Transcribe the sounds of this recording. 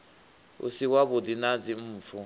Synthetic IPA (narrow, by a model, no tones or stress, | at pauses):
ṵsiwaβud̪inad͡zim̩ːfu